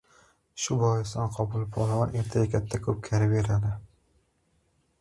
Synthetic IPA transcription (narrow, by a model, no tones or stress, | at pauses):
ʃʊbɒjɪst̪ɒnqʰɒbʊlˠɪpʰɒlˠavɒnʔeɾt̪ʰaɡakʲʰat̪ʰːakʰɵp̚kʲʰaɾɪve̞ɾad̪ɪ